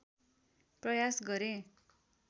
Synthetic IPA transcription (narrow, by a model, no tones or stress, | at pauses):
prʌjasɡʌɾẽ